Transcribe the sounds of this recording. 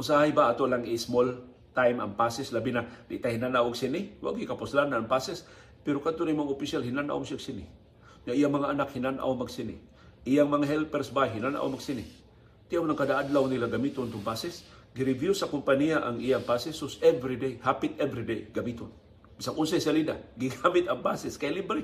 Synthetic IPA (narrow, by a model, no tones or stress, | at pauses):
ʔʊnsahajbaʔat̪oʔlaŋismol | t̪ajmɐ̰ŋpasɛslabinad̪ɪ̰ʔt̪ahinanawaɡsinɪwa̰ɡikapʊslanːaaŋpasɛs | pɛɾokad̪t̪oɾijmaŋaʊpiʃjalhinanʔa̰wsiɡsinɪ | ŋaʔijamɐŋaʔːnakhinanʔa̰wmɐɡsinɪ̰ | ʔijaŋmɐŋaɦɛlpɛɾsbajɦinanʔa̰wmaɡsinɪ | t̪ɪʔawnaŋkad̪aʔad̪lawnilaɡɐmit̪ont̪ʊŋpasɛs | ɡiɾɪvjusɐkʊmpanijaʔaŋʔijaŋpasɛsosɛvɾid̪ejhapɪt̪ɛvɾid̪ejɡɐmit̪on | bisaŋʔʊnsajsalid̪a̰ɡɪɡamɪt̪ɐŋpasɛskajlibɾi